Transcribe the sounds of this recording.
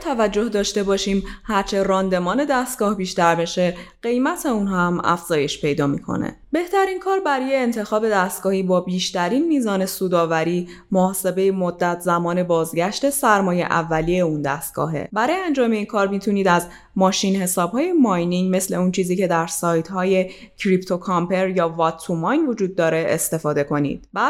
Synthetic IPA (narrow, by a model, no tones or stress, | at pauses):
t̪ʰævæd͡ʒːo̞hd̪ɒːʃt̪e̞bɒːʃiːmhæɾt͡ʃʰe̞ɾɒːnd̪e̞mɒːne̞d̪æst̪̚ɡ̥ɒːhbiːʃt̪æɾbe̞ʃe̞ɢ̥e̞jmæt̪ʰe̞unɦæmæ̰fz̥ɒːje̞ʃpe̞jd̪ɒːmḭːkʰo̰nḛ | be̞ht̪ʰæɾinkʰɒːɾbæɾɔːjeːnt̪ʰe̞xɒːbe̞d̪æst̪̚ɡ̥ɒːhiːbɒːbiːʃt̪æɾiːnmiːzɒːne̞suːd̪ɒːvæɾiː | moɒːse̞be̞jemod̪ːæt̪ʰzæmɒːne̞bɒːzɟæʃt̪e̞sæɾmɒːje̞̰ʔæ̰vːæliːjeund̪æst̪̚ɡ̥ɒ̰ːɦe̞̰bæɾɒːjeænd͡ʒɒːme̞iːnkʰɒːɾmiːt̪ʰuniːd̪æz | mɒːʃiːnhe̞sɒːb̥hɒːje̞mɒjniŋɟme̞sle̞unt͡ʃʰiːziːcʰe̞d̪æɾsɒːjt̪ʰhɒːje̞ | cʰɾipt̪ʰo̞kʰɒmpʰe̞ɾjɒːvɒt̪ʰːumɒjnvo̞d͡ʒuːd̪̚ːɒːɾe̞ḛst̪e̞fɒːd̪e̞ko̞nḭːd̪̥bæ̥